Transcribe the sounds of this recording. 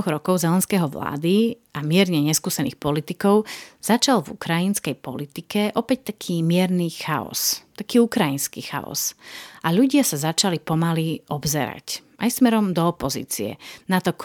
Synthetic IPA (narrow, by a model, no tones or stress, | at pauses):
ɣɾɔkɔʊzɛlɛnskɛɦɔʋla̰ːd̪iʔamɪɛɾɲɛɲɛskuːsɛnḭːxpɔlit̪ikɔʊz̥at͡ʃalvṵkɾajinskɛjpɔlit̪ikɛʔɔpɛc̚t̪akʰiːmɪɛɾnixaɔ̰st̪akiːukɾajinskixa̰ɔ̰zʔaʎuɟɪasazat͡ʃalipɔmaliʔɔbzɛ̰ɾa̰cʔajsmɛɾɔmd̪ɔːpɔzḭːt͡sḭɛ̰nat̪ɔk